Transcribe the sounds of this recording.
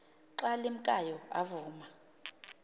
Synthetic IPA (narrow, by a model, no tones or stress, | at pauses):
ǁalim̩kʼajɔa̰vuːma